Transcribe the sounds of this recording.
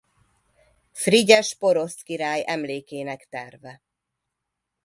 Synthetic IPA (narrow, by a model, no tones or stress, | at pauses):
friɟɛʃpo̞ɾo̞st̪kiɾaːjʔɛmleːkeːnɛkt̪ɛrvɛ